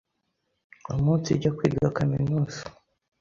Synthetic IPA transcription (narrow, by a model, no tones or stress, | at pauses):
omuːnt͡siɟakwiːdɡakaminuːsi̥